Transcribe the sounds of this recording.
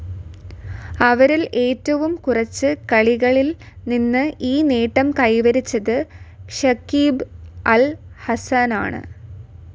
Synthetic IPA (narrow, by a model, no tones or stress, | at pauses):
ɐʋɐɾilʔe̞ːtːɐʋumkurɐt͡ɕːɨkɐɭiɣɐɭil | ninːɨʔiːniːʈːɐmkɐjʋɐɾit͡ɕːɐðɨʂɐkiːbɐlhɐsɐna̰ːɳɨ̰